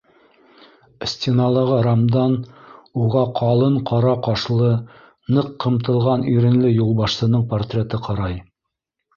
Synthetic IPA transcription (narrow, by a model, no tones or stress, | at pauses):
sʲtʲɪnɑlˠɤʁɑɾamd̪ɑnuʁɑqʰɑlˠɤɴqʰɑɾɑqɑʃlˠɤ | nɤqːɤ̆mt̪ɤ̆lˠʁɑniɾɘ̆nlɘjulˠbɑʃsɤ̆nɤɴport̪rʲet̪ɤqɑɾɑj